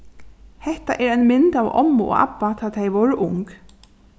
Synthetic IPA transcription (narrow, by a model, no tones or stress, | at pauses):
hɛht̪a̰ʔɛɾajnmɪnt̪avɔ̰mːo̰ɣa̰pːat̪ʰaːt̪ʰejʋɔɹʔʊŋk